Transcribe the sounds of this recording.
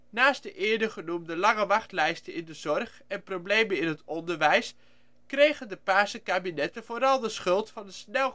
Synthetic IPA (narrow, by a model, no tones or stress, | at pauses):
naːstdəʔɪːɹdəχənumdəlɑŋəʋɑχtlɛjstəɪndəz̥ɔrχ | ɛnprowblejmənɪnɦətɔndəɹʋɛjs | krejχəndəpaːsəkaːbinɛtəvoːɾɑlˠdəsχɵlˠtfɑnəsnɛlˠ